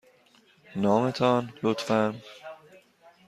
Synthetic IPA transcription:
nɒːmet̪ʰɒnlot̪fæn

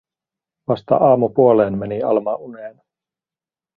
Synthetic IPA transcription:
ʋɑst̪ɑ̰ʔɑːmupuoleːnmeniɑ̰lmɑʔuneːn

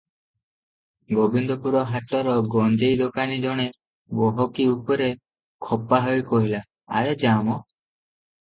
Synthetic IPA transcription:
ɡobind̪ɔpuɾɔɦaʈɔɾɔɡɔnd͡ʒejd̪okanid͡ʒɔɽ̃e | bɔɦɔkiupɔɾe | kʰɔpaɦojkɔɦila̰ː | ɾed͡ʒamɔ

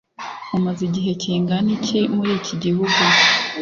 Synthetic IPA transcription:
umaziɟiɦe̞ciːŋɡanicʰimuɾiːciɟihuɡu

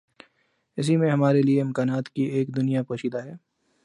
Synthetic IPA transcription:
ɪs̬imẽɦɐmaːɾelieɪmkaːnaːt̪kiʔeːkd̪ʊnijapoːʃiːd̪aɦɛː

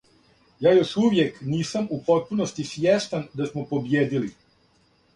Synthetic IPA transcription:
jaːjo̞ʃuʋjekniːsamupo̞t̪̚punost̪isʋjeʃt̪and̪asmopo̞bjeːd̪ili

